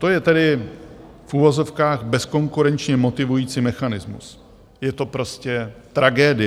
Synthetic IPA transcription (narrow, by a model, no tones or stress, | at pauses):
t̪o̞jɛt̪ɛdɪ | fʔuvo̞zo̞fkaːɣbɛsko̞ŋkuɾɛnt͡ʃɲɛmo̞t̪ɪvujiːt͡siːmɛxanɪzmṵs | jɛt̪o̞pɾo̞scɛt̪ɾaɡɛːdɪ